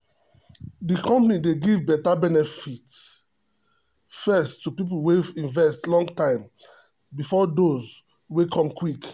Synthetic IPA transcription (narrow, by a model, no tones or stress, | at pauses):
dikɔ̃mpnideɡivbɛtabɛnɛfit | fɛstːupip̬ulweĩnvɛstlɔ̃ŋɡtãɪ̃m | bifɔdoz | wekʰɔ̃mkwik